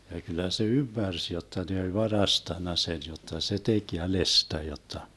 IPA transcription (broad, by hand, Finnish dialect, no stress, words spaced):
jɑ kylˑæ se ymːærs jotːɑ ne olʲ ʋɑrɑstɑnːɑ sen jotːɑ se tek jælestæ jotːɑ